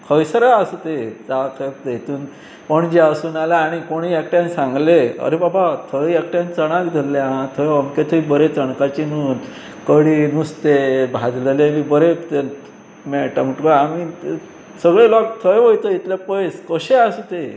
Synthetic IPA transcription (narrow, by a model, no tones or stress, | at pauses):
kʰəjsɾaasut̪ed͡zakʰəjp̚t̪t̪uːn | pəɳd͡ʑeasuːnalaːɽ̃ikoɽ̃iɛk̚ʈjãnsãŋɡleə̰ɾebabat̪ʰəjɛk̚ʈjãnt͡səɽ̃akd̪ʱəlːaãt̪ʰəjəmket̪ʰəibəɾet͡səɳkat͡ɕinun | kəɽinust̪ebʱad͡zləlemibəɾet̪e | mɛʈam̤əʈkəami | səɡɭelɔk̚t̪ʰəjʋojt̪əit̪lepəjskəɕeasut̪e